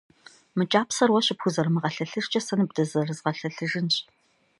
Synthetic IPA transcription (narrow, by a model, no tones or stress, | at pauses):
mɨt͡ʃʼaːpsɐrwɐɕɪpxʷʊzɐrɨmɨʁɐɬɐɬɨʂt͡ʃʼɐsɐnɨbdɐzɐrɨzʁɐɬɐɬɨʒɨnɕʼ